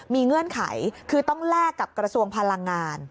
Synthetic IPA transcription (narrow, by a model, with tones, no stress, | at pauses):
miː˧ŋɯ˧˥˩ənkʰa̰˩˦jkʰɯː˧t̪ɔ˥˩ŋlɛː˥˩kːa˨˩p̚kɾa˧su˧əŋpʰa˧la˧ŋːaː˧n